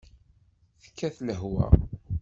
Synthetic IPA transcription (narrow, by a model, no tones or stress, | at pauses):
θə̥kːæθləɦwæ̰